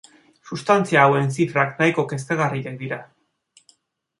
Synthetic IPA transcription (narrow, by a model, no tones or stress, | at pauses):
sust̪ant͡siaːwe̞ns̬ifɾaknajko̞ke̞s̬t̪aɣariek̚d̪iɾa